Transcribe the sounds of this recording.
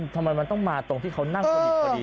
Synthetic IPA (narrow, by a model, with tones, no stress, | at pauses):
t̪ʰa˧ma˧jma˧nt̪ɔ˥˩ŋmaː˧t̪o˧ŋt̪ʰiː˥˩kʰa˦˥wna˥˩ŋː˩˥˧